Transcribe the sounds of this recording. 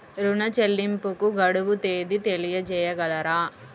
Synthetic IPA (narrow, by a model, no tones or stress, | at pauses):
ɾunɐt͡ʃelːimpukuɡɐɽuʋut̪eːd̪it̪elijɐd͡ʒɛːjɐɡɐlɐɾaː